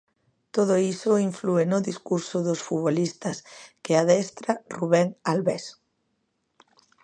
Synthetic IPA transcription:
t̪oð̞oisoiɱfluenoðiskuɾsoðosfuβolist̪askeaðɛst̪ɾaruβ̞eŋalβes

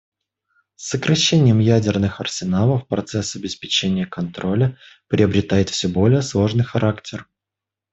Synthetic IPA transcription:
sːəkɾʔɐɕːenʲɪjəmjædʲɪrnɨxɐrsʲɪnalˠəfpɾɐt̪sɛsɐbʲɪspʲɪt͡ɕenʲɪjəkɐnt̪ɾo̞lʲə | pɾʲʔɪəbɾʲɪt̪ajɪt̪fsʲɵbo̞lʲɪjəslˠo̞ʐnɨjxɐɾʔaktʲʰɪr

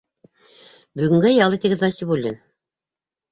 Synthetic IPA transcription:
bɵ̆ɣɡɘ̆ŋɡæjɑlˠɤt̪iɡɘðnɑsibulʲːin

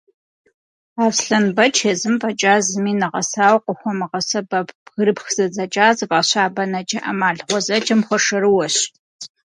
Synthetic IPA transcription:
aːfsɬɐnbɐt͡ʃʰjɐzɨmpʼɐt͡ʃʼaːzɨmiːnɐʁɐsaːwqʷʊxʷɔmɨʁɐsɐbɐpɣɨɾɨpxz̥ɐzɐt͡ʃʼaːzɨpʼɐɕaːbɐnɐd͡ʒʼɐʔɐmaːɮʁʷɔzɐd͡ʒɐmxʷɔʂɐɾɨwɔɕ

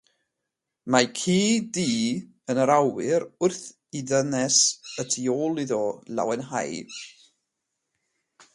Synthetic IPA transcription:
makʰiːdiː | ənəɾawɨɾʊrθ | iðənɛsətʰioːlˠiðɔla̰wɛnɦa̰j

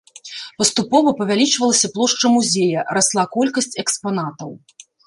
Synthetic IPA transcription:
pɐst̪upɔvɐpɐvʲalʲit͡ʂvɐlˠɐsʲɐplˠɔʂt͡ʂɐmuzʲejɐɾaslˠakɔlʲkɐsʲt͡sʲɛkspanat̪ɐw

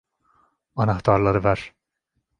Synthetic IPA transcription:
ɑnɑht̪ʰɑɾlˠɑɾɯvæɾ̥

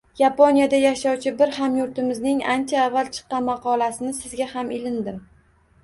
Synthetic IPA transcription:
japʰonijad̪ajaʃɒwt͡ʃʰɪbɪɾhamjʊɾt̪ɪmɪznɪŋa̰nt͡ʃʰaːvːalt͡ʃʰɨ̥qːɑnmɑqʰɒlasɪnɪsɪzɡʲahamɪlɪnd̪ɪm

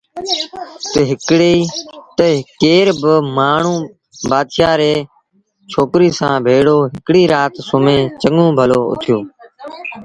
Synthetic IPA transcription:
t̪əɦɪkɽiːt̪əkeːɾbəmaːɳ̤ũː | baːd̪ʃaːɾeː | t͡ʃʰoːkɾiːsãːbʱeːɽoːɦɪkɽiːɾaːt̪sʊmẽːt͡ʃəŋõːbʱəloːʊ̰t̪ʰjoː

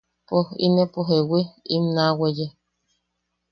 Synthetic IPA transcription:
poḭmẽpoɦewiimnaweje

